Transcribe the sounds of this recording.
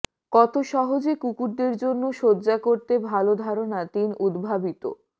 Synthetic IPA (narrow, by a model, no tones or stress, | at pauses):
kɔt̪oʃɔɦod͡ʑekukuʈ̚d̪eɾd͡ʑonːoʃodːd͡ʑakoɾt̪ebʱalod̪ʱaɾonat̪inud̪bʱabit̪o̰